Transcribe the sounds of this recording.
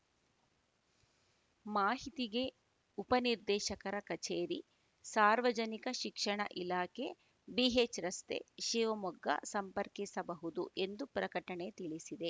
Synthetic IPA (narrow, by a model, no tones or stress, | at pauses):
maːɦit̪iɡe̞ | upɐniɾd̪ɛːʃɐkɐɾɐkɐt͡ʃeːɾi | saːɾʋɐd͡ʒɐnikɐʃikʂɐɳɐ̰ʔilaːkʰe̞ | biɦet͡ʃɾɐst̪ḛʃiːʋɐmɔɡːɐ̰sɐmpɐɾkisɐbɐɦud̪uʔe̞nd̪upɾɐkɐʈɐɳet̪iɭisid̪e̞